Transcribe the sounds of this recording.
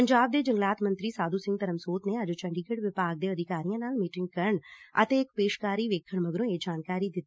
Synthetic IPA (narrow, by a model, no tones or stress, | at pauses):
pəɲd͡ʒaːb̚d̪eːd͡ʒəŋɡlaːt̪mə̃nt̪ɾiːsaːd̪uːsɪ̃ŋɡ̚t̪əɾəmsoːt̪neːəd͡ʒt͡ʃəɳɖiːkʰeɽʋɪpaːɡ̚d̪eːəd̪ɪkaːɾijãːnaːlmiːʈɪ̃ŋɡ̚kəɾəɳə̰t̪eːɪkpeːʃkaːɾiːʋeːkʰːəɳməɡɾõːeːd͡ʒaːnkaːɾiːd̪ɪt̪ː